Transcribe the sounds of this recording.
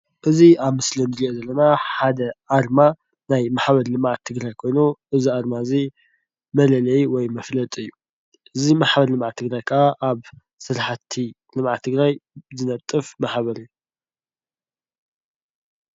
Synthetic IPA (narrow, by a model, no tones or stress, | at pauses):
ʔɨziaβmɨslɨnd̪ɨɾiʔozɐlːɐnaħad̪ɐʔaɾma | najmaħbɐɾlɨmʕat̪ʰːɨɡɾajkʰo̞jnuʔɨziaɾmaɨzi | mɐlɐlɐjiwɔjmɐflɐt̪ʼɨjːu | ʔɨzimaħbɐɾlɨmʕat̪ʰːɨɡɾajkʰɨʔaʔaβ | sɨɾħt̪ʰi | lɨmʕat̪ʰːɨɡɾajzɨnɐt̪ʼːɨfmaħβɐɾɨju